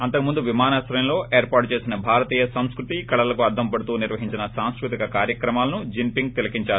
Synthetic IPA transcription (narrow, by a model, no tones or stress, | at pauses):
ɐnt̪ɐkumund̪uʋimaːnaːsɾɐjɐnlo̞ːe̞ːɾpaːɾʈut͡ʃeːsinɐbʱaːɾɐt̪iːjɐsɐmskɾut̪ikɐɽɐlɐkuɐɾd̪ʰʱɐmpɐɽut̪uːniɾʋɐɦiɲt͡ʃinɐsaːnskɾut̪ikɐkaːɾjɐkɾɐmaːlɐnud͡ʒimpiŋɡ̚t̪ilɐkiɲt͡ʃaːu